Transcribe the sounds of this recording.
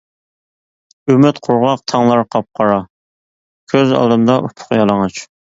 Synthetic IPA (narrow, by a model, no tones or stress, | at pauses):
ymɪt̪qʰʊɾʁɑq̚t̪ʰɑŋlˠɑɾqʰɑp̚qʰɑɾɑ | kʲʰøzɑ̰ːlˠd̪ɨmd̪ɑʔupʰʊ̥qjɑlˠɑŋɑt͡ʃ